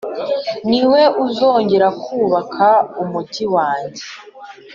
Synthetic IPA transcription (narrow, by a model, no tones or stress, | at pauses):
niwe̞uzo̞ːɲɟe̞ɾakʰuːβakʰaumuɟiwaːɲɟe